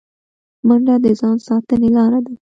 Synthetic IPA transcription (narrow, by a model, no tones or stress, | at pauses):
maɳɖad̪əzɑnsɑt̪ənelɑɾad̪a